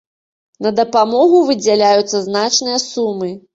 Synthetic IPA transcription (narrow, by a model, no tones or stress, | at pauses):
nɐd̪ɐpamɔɣuvɨd͡zʲalʲajut̪sːɐznat͡ʂnɨjɐsumɨ